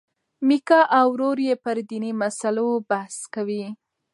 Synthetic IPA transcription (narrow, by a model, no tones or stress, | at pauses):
mikɑʔawɾoɾjepəɾd̪inimasalobahskawi